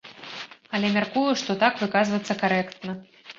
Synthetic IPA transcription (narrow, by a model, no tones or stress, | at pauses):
ɐlʲɛmʲarkujuʂt̪ɔt̪akvɨkazvɐt̪sːɐkaɾɛkt̪nɐ